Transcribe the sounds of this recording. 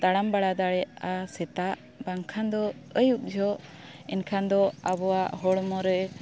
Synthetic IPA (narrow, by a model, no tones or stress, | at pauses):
t̪aɽambaɽad̪aɽɛasɛt̪aʔ | baŋkʰand̪ɔəjuk̚d͡ʒʱɔʔ | inkʰand̪ɔabɔwaʔɦɔɽmɔɾɛ